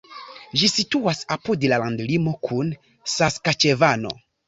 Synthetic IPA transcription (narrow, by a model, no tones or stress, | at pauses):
d͡ʒisituasapudlalandlimo̞kʰun | saskat͡ʃevano̞̰